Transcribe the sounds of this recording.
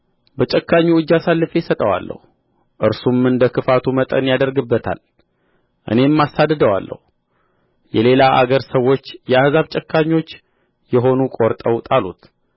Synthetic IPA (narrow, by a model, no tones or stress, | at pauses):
bət͡ʃʼɛkʰːaɲːuɨd͡ʒːasalːɨfesət̪ʼəwa̰lːə̰hu | ʔɨɾsumɨnd̪əkʰɨfat̪ʰumət̪ʼə̰njad̪əɾɡɨbːət̪ʰa̰l | ʔɨ̰nemːasad̪ɨd̪əwa̰lːə̰hu | jɛle̞laʔa̰ɡəɾsəwːo̞t͡ʃːjɛahzaβt͡ʃʼɛkʰːaɲːo̞t͡ʃː | jɛɦo̞nukʼo̞ɾt̪ʼəwt̪ʼalut̪